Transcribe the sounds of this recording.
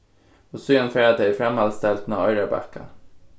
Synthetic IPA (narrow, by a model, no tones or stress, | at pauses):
osyːənfɾeːd̪eɪfɾɛmhɑlst̪ɛlt̪n̩ɑːɑɪɾəbæ̰kə̰